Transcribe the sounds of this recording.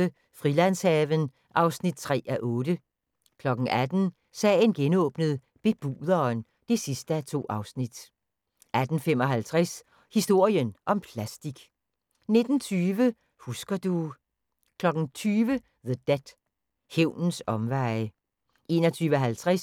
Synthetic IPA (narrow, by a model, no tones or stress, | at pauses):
ə | fʁilænshɛːʋən | ʔɑ̈ʊsnid̥̚t͡sʰʁɛ̰ːæʔɔ̽ːɾ̥ə | kʰlɒ̽ɡ̥ŋ̩ʔæd̥n̩ | sɛ̰ːɪnɡ̥enɔ̰ːb̥nəð̩ˠ | b̥e̝b̥ṵːðˠɐːn | d̥e̝sisd̥əæt͡sʰo̝̰ːʔɑ̈ʊsnid̥ | ʔæd̥n̩fem̰ɒ̽ɦælt͡sʰʁas | hisd̥o̝ɐ̰iənʔɒ̽mpʰlæsd̥iɡ̥ | ne̝d̥n̩t͡sʰyːʋə | husɡ̥ɐd̥u | kʰlɒ̽ɡ̥n̩t͡sʰyːʋə | ðəd̥ed̥ | heʊ̰nn̩sɒ̽mʋɑ̈ɪ | ʔe̝ːnɒt͡sʰyːʋəɦælt͡sʰʁas